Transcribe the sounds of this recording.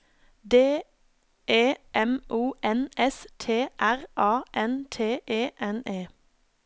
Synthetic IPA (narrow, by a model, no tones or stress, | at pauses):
d̪eː | ʔeːʔɛmʔuːʔɛnɛst̪ʰeːʔæʁʔɑːʔɛnt̪ʰeːʔeːʔɛneː